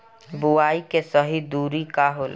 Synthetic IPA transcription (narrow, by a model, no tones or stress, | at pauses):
buaːikesəɦid̪uːɾikaɦoːl